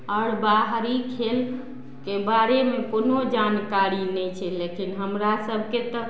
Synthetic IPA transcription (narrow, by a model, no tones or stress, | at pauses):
əɽbaɦɾikʰel | kebaɾemekonod͡ʒankaɾinɛt͡ʃʰɛlekinɦəmɾasəbʱket̪ɔ